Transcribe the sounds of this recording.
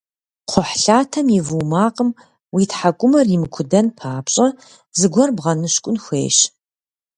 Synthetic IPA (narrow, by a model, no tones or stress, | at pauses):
qʰʷɔħɬaːtʰɐmivuːmaːqʼəm | wiːtħakʷʼʊmɐrimɨkʷʰʊdɐnpʰaːpɕʼɐ | zɨɡʷɔrbʁɐnɨɕkʷʼʊnxʷḛːɕ